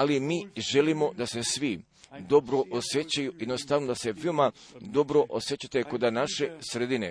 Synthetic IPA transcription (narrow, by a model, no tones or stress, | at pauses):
alimiːʒe̞limo̞d̪ase̞sʋi | d̪o̞bɾo̞ʔosje̞t͡ɕajujed̪nost̪aʋno̞d̪ase̞ʋeomad̪o̞bɾo̞ʔosje̞t͡ɕat̪eko̞d̪anaʃe̞sɾed̪ine